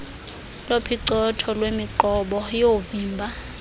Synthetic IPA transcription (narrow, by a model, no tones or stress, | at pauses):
lopʰiǀɔtʰɔlwemiǃɔɓɔjoviːmbʱa